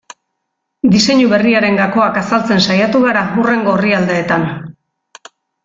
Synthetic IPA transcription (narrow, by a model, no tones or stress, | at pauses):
d̪ise̞ɲuβe̞riaɾe̞ŋɡako̞akasalt͡se̞nsajat̪uɣaɾaure̞ŋɡo̞ːriald̪e̞ːt̪an